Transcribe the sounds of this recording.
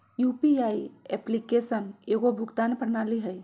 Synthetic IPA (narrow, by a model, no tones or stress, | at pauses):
jupiaiɛplikesəneɡobʱʊkt̪anpəɾnaliɦəj